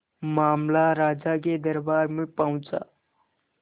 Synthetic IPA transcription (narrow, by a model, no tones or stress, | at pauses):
maːmlaɾaːd͡ʒak̬ed̪əɾbaːɾmẽpaʊ̃t͡ʃa̰ː